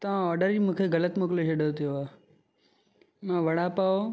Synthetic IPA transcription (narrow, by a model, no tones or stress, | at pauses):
t̪ɐʋ̤ãɔːɾɖəɾimũːkʰeɣɐlət̪moːkɪleʃeɖot̪ʰijoaː | mãːʋɐɽapaːo